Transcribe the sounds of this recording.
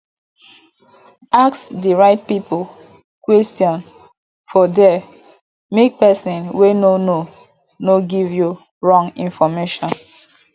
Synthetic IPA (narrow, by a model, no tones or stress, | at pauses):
aksdiɹaɪt̚pipʊ | kwɛstjɔ̃n | fɔdɛ | mek̚pɛsĩnwenono | noɡivju | ɹɔ̃ŋĩnfɔmeʃɔ̃n